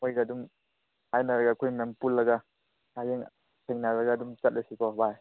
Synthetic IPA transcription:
mojɡadum | ajnaɾaɡaːkʰojmempulːɐɡa | ajeŋ | sʰeŋnaɾaɡaːdumt͡ʃɐt̚lasikɔbaj

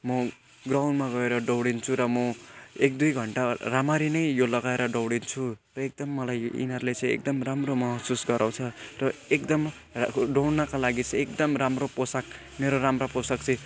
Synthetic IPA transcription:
mʌ | ɡrawnmaɡʌeɾʌɖʌwɽint͡sʰuɾʌmʌek̚d̪ujɡʱʌɳʈaramaɾinʌjjolʌɡaeɾʌɖʌwɽint͡sʰurʌek̚d̪ʌmːʌlajḭnʌrlet͡sʌj̃ḛk̚d̪ʌmramromʌɦsusɡʌɾʔaw̃t͡sʰʌrʌek̚d̪ʌm | ɖʌwɽnʌkalaɡit͡sʌj̃ek̚d̪ʌmramroposak̚ | meɾoɾamraposʌk̚t͡sʰi

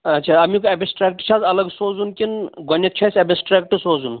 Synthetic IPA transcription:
ɐt͡ʃʰaɐmikoebisʈɾeːk̚ʈt͡ʃʰazɐlɐɡsoːzunkinɡonʲːɐt̪t͡ʃʰɐsʲɐbisʈɾaːkʈɨsoːzun

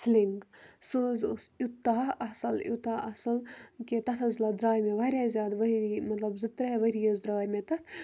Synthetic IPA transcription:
sliŋɡsoːzosut̪ːaːɐsɐlut̪aːʔɐsɐlket̪ɐt̪ʰɐzlɐd̪ɾaːjmeʋɐɾʲeːzʲjaːd̪ʋɐɾimɐt̪lɐbzɨt̪ɾeʋɐɾijɐzd̪ɾaːjmẽt̪ɐt̪ʰ

